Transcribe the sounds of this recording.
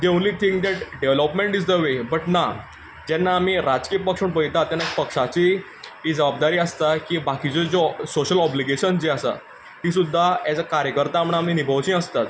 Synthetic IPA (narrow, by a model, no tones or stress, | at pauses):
d̪ewnliːt̪ʰĩŋk̚d̪ɛʈɖeʋlɔpmẽɳʈid͡zd̪əʋebəʈna | d͡ʑɛnːaːmiɾad͡zkiəpəkʂuɳbəjt̪at̪ːjanːapəkʂat͡ɕi | id͡zəbab̚d̪aɾiːəst̪akibakit͡sɔd͡zosoɕəlɔbliɡeɕənd͡ʑeəsa̰ | t̪is̬ud̪ʱːajat͡sakaɾjəkəɾt̪aːmɳ̃aaminibʱəʋt͡ɕĩːəst̪at̪